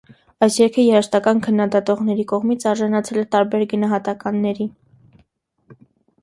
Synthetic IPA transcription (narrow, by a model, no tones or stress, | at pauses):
ɑjsjɛɾkʰəjɛɾəʃt̪ɑkɑnkʰənːɑd̪ɑt̪ɔʁnɛɾikɔʁmit͡sʰɑɾʒɑnɑt͡sʰɛlɛt̪ɑɾbɛɾɡənɑɦɑt̪ɑkɑnːɛɾi